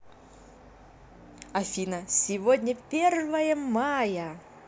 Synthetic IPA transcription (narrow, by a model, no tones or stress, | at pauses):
ɐfʲinɐsʲɪvodʲnʲəpʲervəjəmajə